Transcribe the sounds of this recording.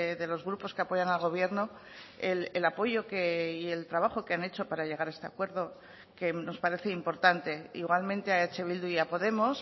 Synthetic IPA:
ðe̞lo̞zɣɾupo̞ske̞apo̞ʝanalɣ̞o̞β̞je̞ɾno | elelapo̞ʝo̞keie̞lt̪ɾaβ̞aχo̞keane̞t͡ʃo̞paɾaʎe̞ɣaɾae̞st̪e̞akwe̞ɾðo̞ | ke̞no̞spaɾe̞θe̞impo̞ɾt̪ant̪e̞ḭɣwalmẽ̞nt̪e̞aet͡ʃe̞β̞ild̪uiapo̞ðe̞mo̞s

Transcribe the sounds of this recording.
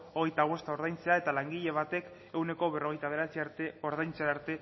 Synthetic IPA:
oɣe̞jt̪aɣ̞ust̪ao̞ɾð̞ajnt͡se̞ae̞t̪alaŋɡiʎe̞β̞at̪e̞k | e̞wne̞koβe̞ro̞ɣ̞e̞jt̪aβ̞e̞ɾat͡siaɾt̪eoɾðajnt͡seaaɾt̪e̞

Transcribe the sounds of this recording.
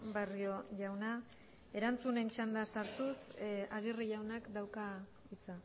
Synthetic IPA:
bario̞ʝawna | e̞ɾant͡sune̞nt͡ʃand̪asaɾt̪usaɣ̞iriʝawnakd̪awka | it͡sa

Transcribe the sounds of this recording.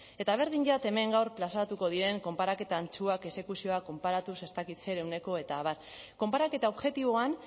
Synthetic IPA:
e̞t̪aβ̞e̞ɾðiɲɟat̪e̞me̞ŋɡawrplasat̪uko̞ðiɾe̞ŋko̞mpaɾake̞t̪aːnt͡suake̞se̞kusio̞ako̞mpaɾat̪use̞st̪akit̪se̞ɾe̞wne̞ko̞e̞t̪aːβaɾ | ko̞mpaɾake̞t̪ao̞βʝe̞t̪iβ̞o̞an

